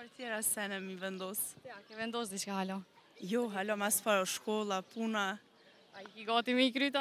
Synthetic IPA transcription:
aɾt̪jɛɾasɛnɛmivɛnd̪ɔsakɛvɛnd̪ɔsd̪it͡ʃkahalɔjɔɦalɔmasfaɾɔʃkɔlˠapuna | aikiɡɔt̪imiikɾyt̪a

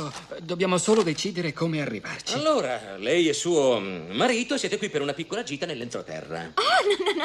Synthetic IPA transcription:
od̪objaːmosoːlod̪et͡ʃiːd̪eɾekʰomearːḭvart͡ʃailːoːɾalɛjɛsːuːomaɾiːt̪osjɛːt̪ekwipːeɾunapikːolad͡ʒiːt̪anelːent̪ɾot̪ɛ̰rːa̰anɔnn

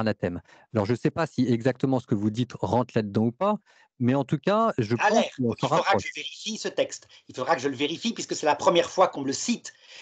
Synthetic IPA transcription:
nat̪ɛm | alɔʁʒəsɛpasiɛɡzak̚t̪əmɑ̃sə̥kəvud̪it̪ʁɑ̃t̪lad̪əd̪ɑ̃upa | mɛɑ̃t̪ukaʒəpalɑ̃sə̃sɔʁaʁaveʁifisət̪ɛkst̪ilfod̪ʁakəʒələveʁifipɥiskəsɛlapχəmjɛʁfwakɔ̃ləsit̪

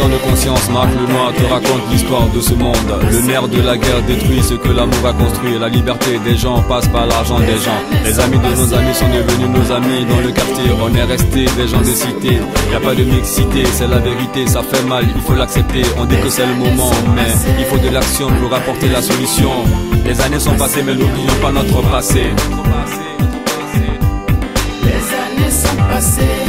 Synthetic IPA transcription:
t̪ɑ̃d̪əkɔ̃sjɑ̃smaʁklənwat̪əʁakɔ̃t̪list̪waʁd̪əsəmɔ̃d̪ləmɛʁd̪əlaɡɛʁd̪et̪χwɥisəkəlamuʁakɔ̃st̪χwɥiʁlalibɛʁt̪ed̪ɛʒɑ̃paspaʁlaʁʒɑ̃d̪ɛʒɑ̃lɛzamid̪ənozamisɔ̃d̪əvənynozamid̪ɑ̃ləkaʁt̪jeɔ̃nɛʁɛst̪elɛʒɑ̃d̪esit̪eiljapad̪əmiksit̪esɛlaveʁit̪esafɛmalilfolaksɛp̚t̪eɔ̃d̪ikəsɛləmɔmɑ̃mɛilfod̪əlaksjɔ̃ləʁapɔʁt̪elasɔlysjɔ̃lɛzanesɔ̃pasemɛnublijɔ̃panɔt̪χəpasea | eae

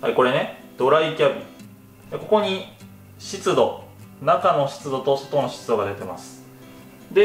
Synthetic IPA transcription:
haiko̞ɾe̞ned̪̥o̞ɾaikʲabʲi | eko̞ko̞ɲ̟i | ɕit͡sɨd̪o̞nakano̞ɕi̥t͡sɨd̪o̞t̪o̞so̞t̪o̞no̞ɕi̥t͡sɨd̪o̞ɡad̪e̞t̪e̞ma̰sɨ̥ | d̪e̞

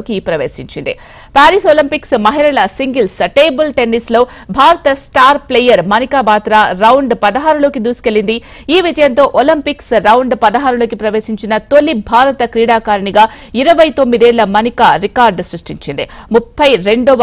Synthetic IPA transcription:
oːkiiːpɾɐʋeːsiɲt͡ʃind̪ḭ | paːɾisoːlɐmpiksmɐɦiɾɐlɐsiŋɡilsʈeːbɐlʈe̞nːislo̞ː | bʱaːɾɐt̪ɐsʈaːɾplejːɐɾmɐnikaːbaːt̪ɾaːɾɐwuɳɖpɐd̪ɐɦaːɾulo̞ːkid̪uːsi̥kelːind̪i | iːʋid͡ʒɐjɐnt̪o̞ːʔolɐmpiksɾɐwuɳɖpɐd̪ɐɦaːɾulo̞ːkipɾɐʋe̞ːsiɲt͡ʃinɐt̪olːibʱaːɾɐt̪ɐkɾiːɽaːkaːɾɐɳiɡaː | iɾɐʋɐjt̪o̞mːid̪ɛːɭːɐmɐnikaːɾikaːɾɖsɾuʂʈiɲt͡ʃind̪ḭmupʰːɐjɾe̞ɳɖoːʋ

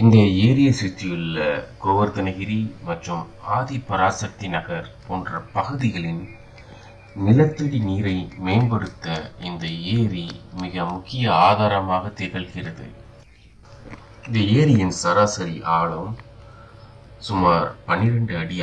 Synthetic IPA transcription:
ɪnd̪ɐeːɾɪjɐsit͡ʃːɪjɯlːɐkoːʋɐɾt̪ɐnɐɣɪɾimɐʈrɯm | aːðipɐɾaːsɐk̚t̪inɐɣɐɾpoːndrɐpɐɣɯðɪɣɐɭɪn | nɪlɐt̪ːɯɽiniːɾɐɪmeːnbɐɽɯt̪ːɐɪnd̪ɐeːɾimɪɣɐmʊkːɪjɐaːðaːɾɐmaːɣɐt̪ːeːɣɐlɣɪrɐðɯ̰ | ɪnd̪ɐeːɾɪjɪnsɐɾaːsɐɾiʔaːɭɯm | sʊmaːɾpɐnɪɾɐɳɖɯɐɽɪja

